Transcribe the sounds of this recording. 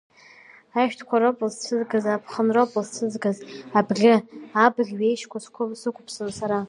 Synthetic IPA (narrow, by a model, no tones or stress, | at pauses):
aʃᶣtʰkʷʰaɾopʼlzt͡sʰɨzɡazaːpʰχənropʼɨlzt͡sʰɨzɡazabɡʲɪabɨɮʲɥejʃkʷʰaskʷʰʊsɨkʷʊpʰsansaɾa